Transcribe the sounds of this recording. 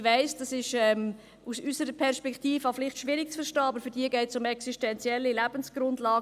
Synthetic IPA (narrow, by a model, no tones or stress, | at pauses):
ʋæɪsd̥ɑsɪʃɛm | usysəɾəpʰɛɾʃpɛktiːfəɑflɪχtʃʋɪɾɪk̚t͡sfəɾʃtɑːɑbəɾfyɾdiːəɡɛɪtsʊmɛksiʃtɛnt͡siɛlːilæb̥ənsɡ̥ɾʊndlɑːɡ